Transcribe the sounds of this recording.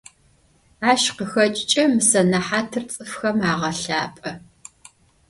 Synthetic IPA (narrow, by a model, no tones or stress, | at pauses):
aːʃqəxɐt͡ʃʼt͡ʃʼɐmɨsɐnɐħaːtʰɨrt͡sʼɨfxɐmaːʁɐɬaːpʼɐ